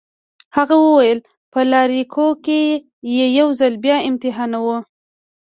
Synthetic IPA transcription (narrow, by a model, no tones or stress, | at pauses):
haɣawəwajəl | pəlɑɾikʰoke | jejawzalbjɑɪmt̪ɪɦɑnawu